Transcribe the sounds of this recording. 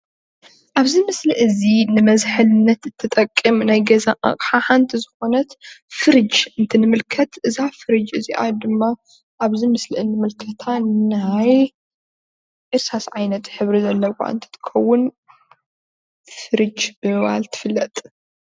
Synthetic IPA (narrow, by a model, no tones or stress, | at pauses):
ʔaβzimɨslɨʔɨzinɨmɐzħɨlnːɐt̪ɨt̪ʰːɐt̪ʼɐkʼːɨmnajɡɐzaʔa̰kʼħaħant̪ʰizɨxo̞nɐt̪fɨɾɨd͡ʒɨnt̪ʰinɨmɨlkʰɐt̪ʰʔɨzafɨɾɨd͡ʒɨziʔa̰d̪ɨmːa | ʔaβzimɨslɨʔɨnɨmɨlkʰɐt̪ʰanaj | ʔɨɾsasʕajnɐt̪ħɨβɾizɐlːɐwa̰ɨ̰nt̪ʰi̥t̪ʰɨ̥kʰɐwːʊn | fɨɾɨd͡ʒbɨmɨβa̰lt̪ʰɨ̥fɨlːɐt̪ʼ